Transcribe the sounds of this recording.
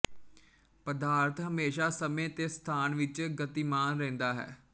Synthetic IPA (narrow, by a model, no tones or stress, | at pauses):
pəd̪aːɾt̪ʰɦəmeːʃaːsəmẽːt̪eːst̪ʰaːnʋɪt͡ʃɡət̪iːmaːnɾɛ̃ːnd̪aːɦɛ̰ː